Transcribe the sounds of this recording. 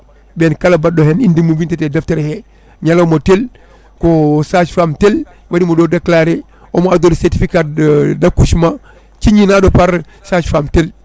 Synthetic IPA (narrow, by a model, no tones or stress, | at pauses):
benkalabadohenindimuvintetedafteɾhe | ɲalomotel | kosad͡ʒfamtel | wadimodoːdaklaɾe | omadolseɾtifikaːt̚dakuʃma | t͡ʃiɲinadopaɾ | sad͡ʒfamtel